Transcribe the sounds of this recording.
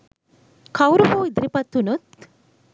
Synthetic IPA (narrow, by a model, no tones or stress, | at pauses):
kʰɐwɾuɦuːid̪ɾipɐt̪ʰːunut̪